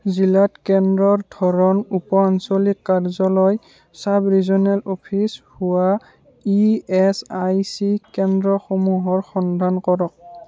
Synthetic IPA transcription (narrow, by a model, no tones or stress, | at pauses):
zilatkɛndɹɔɹdʱɔɹɔnupɔansolikːaɹzɔlɔj | sabɹizɔnɛlopʰishuwa | iɛsajsikɛndɹɔxomuɦɔɹxɔnd̪ʱankɔɹɔk̚